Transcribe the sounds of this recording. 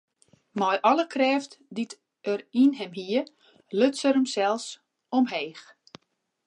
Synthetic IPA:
mɔjʔɔlˠəkʰrɛːftdit | ərinɦɛmɦiə | løtsəɾəmsɛlˠs | ɔmɦeːx

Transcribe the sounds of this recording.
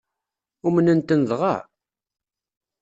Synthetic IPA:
umənənt̪ənðʁɑ̰ʕ

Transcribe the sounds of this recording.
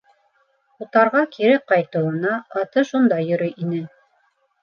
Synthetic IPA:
ut̪ɑɾʁɑkʰiɾɘqɑjt̪ɤ̆wɤ̆nɑːt̪ɤʃund̪ɑjɵ̆ɾɵjʔinɘ

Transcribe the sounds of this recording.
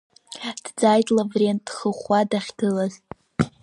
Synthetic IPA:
d̥d͡zajtʼlavrentχəχʷadaχʲɡɨlaz

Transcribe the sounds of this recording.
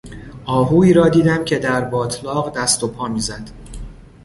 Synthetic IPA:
ʔɒːɦuːiːɾɒːd̪iːd̪æmcʰe̞d̪æɾbɒːt̪ʰlɒːɣd̪æst̪opʰɒːmiːzæd̪̥

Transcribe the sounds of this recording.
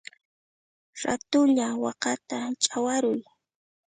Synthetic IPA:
ɾat̪ʊʎawɑqɑt̪at͡ʃʼawaɾʊj

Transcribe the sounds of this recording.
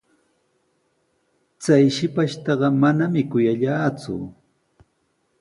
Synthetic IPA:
t͡sajʃɪpaʃt̪ɑɢɑmanamɪkʊjaʎaːt͡sʊ̰

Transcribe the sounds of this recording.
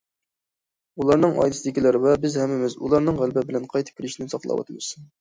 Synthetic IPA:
ulˠɑɾnɨŋɑ̰jd̪ɨsɪd̪ɪkʲilɪɾɪvɛbɪzhɛmːɪmɪzulˠɑɾnɨŋʁælbɪbɪlɛnqʰɑjt̪ʰɨ̥kʲʰɾɪʃinɪsɑqlˠɑ̰wɑ̰t̪ʰɨmɨs

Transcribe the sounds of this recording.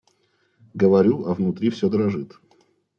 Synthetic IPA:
ɡəvɐɾʲuɐvnʊt̪ɾʲifsʲod̪əɾɐʐɨt̪

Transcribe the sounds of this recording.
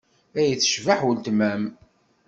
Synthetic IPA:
æjəθːə̥ʃvaħwəlt̪mæm

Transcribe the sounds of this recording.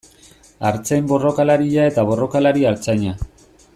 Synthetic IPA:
aɾt͡se̞mbo̞ro̞kalaɾiʎae̞t̪aβo̞ro̞kalaɾiaɾt͡saɲa

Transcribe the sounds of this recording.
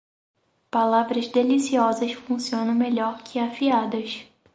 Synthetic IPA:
palavɾɐzd̪elisiɔzɐsfũsiõnɐ̃w̃meʎɔɾkʰɪafiad̪ɐs

